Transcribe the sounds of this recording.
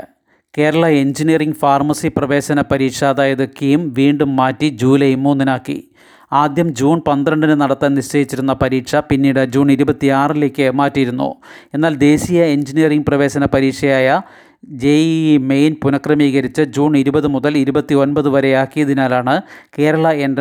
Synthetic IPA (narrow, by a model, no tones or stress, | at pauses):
ke̞ːɾɐɭɐe̞nd͡ʑinijɐriŋɡfaːrmɐsiprɐʋe̞ːɕɐnɐpɐɾiːkʂɐːðaːjɐðɨkːejumʋiːɳɖumːaːtːid͡ʑuːlɐjmːuːnːinaːkːḭ | aːd̪jɐmd͡ʑuːnpɐnd̪rɐɳɖinɨnɐɽɐt̪ːaːnniɕt͡ɕɐjit͡ɕːiɾun̪ːɐpɐɾiːʈʂɐpinːiːɽɨd͡ʑuːɳiɾubɐt̪ːiaːrile̞ːkʲːɨmaːtːijɾun̪ːṵe̞nːaːld̪e̞ːsijɐe̞nd͡ʑinijɐriŋɡprɐʋe̞ːsɐnɐpɐɾiːkʂɐjaːjɐ | d͡ʑemejnpunɐkrɐmiːɣɐɾit͡ɕːɨd͡ʑuːɳiɾubɐðɨmuðɐliɾubɐt̪ːio̞nbɐðɨʋɐɾe̞jaːkːijɐðinaːlaːɳɨke̞ːɾɐɭɐe̞nɖ